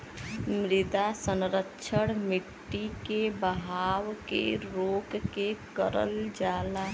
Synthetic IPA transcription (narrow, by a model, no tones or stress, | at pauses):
mɾid̪asənɾətːʃʰəɽmiʈːikebəɦawkḛɾokkekəɾə̰ld͡ʒala